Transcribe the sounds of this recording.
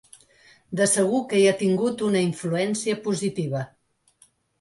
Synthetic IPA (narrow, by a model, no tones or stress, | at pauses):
d̪əsəɣ̞ukəiat̪iŋɡut̪unəiɱfluɛnsiəpuzit̪iβ̞ə